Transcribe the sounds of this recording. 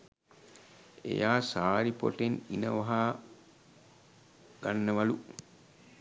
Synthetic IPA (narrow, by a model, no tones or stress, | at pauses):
ḛjaːsaːɾipo̰ʈenḭnɐ̰ʋɐɦaː | ɡ̥anːəʋɐlu